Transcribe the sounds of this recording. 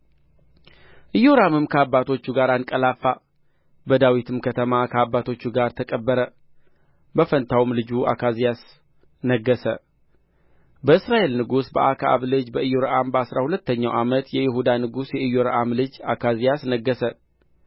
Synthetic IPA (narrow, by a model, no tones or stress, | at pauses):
ʔɨjo̞ɾamɨmkʰəabːat̪ʰo̞t͡ʃːuɡaɾankʼəlafːa | bəd̪awit̪ʰɨmkʰət̪ʰəmakʰəabːat̪ʰo̞t͡ʃːuɡaɾt̪ʰəkʼəbːəɾə | bəfənt̪ʰawmlɨd͡ʒuʔa̰kʰazijas | nəɡːəsə | bəɨsɾaʔe̞lnɨɡusbə̰ʔakʰaʔa̰βlɨd͡ʒbəɨjo̞ɾəʔambəasɾahulət̪ːəɲːawʔamət̪jɛjɪhud̪anɨɡusjɛɨjoɾəʔamlɨd͡ʒakʰazijasnəɡːəsə